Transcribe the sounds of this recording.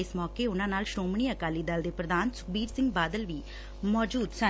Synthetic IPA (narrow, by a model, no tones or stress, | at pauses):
ɪsmɔːkeːʊnãːnaːlʃɾoːmɳiːəkaːliːd̪əld̪eːpɾəd̪aːnsʊ̥kbiːɾsɪ̃ŋɡbaːd̪əlʋiː | mɔːd͡ʒuːd̪sə